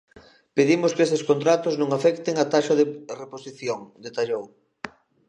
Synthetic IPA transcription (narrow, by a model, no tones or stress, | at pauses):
peðimʊskeseskont̪ɾat̪ʊznõŋafɛkt̪eŋat̪aʃɐðereposiθjoŋd̪et̪aʎow